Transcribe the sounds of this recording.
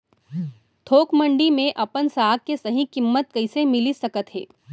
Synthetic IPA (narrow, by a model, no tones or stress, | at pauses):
t̪ʰoːkmə̃ɳɖimẽʔɐpənsaːɡ̚kːesɐɦĩkɪmːət̪̚kɐɪsemɪlisɐkət̪ɦḛː